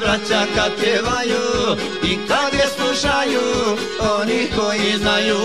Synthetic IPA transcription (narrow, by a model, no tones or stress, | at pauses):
ɾɐt͡ʃakɐt̪eʋaːju | ikːaɡ̪esuʂaːju | onihoːjizaju